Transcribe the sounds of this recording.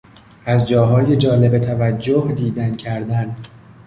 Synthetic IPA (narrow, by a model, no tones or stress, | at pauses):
ʔæzd͡ʒɒːɦɒːje̞d͡ʒɒːle̞bet̪ʰævæd͡ʒːohd̪iːd̪æncʰæɾd̪æn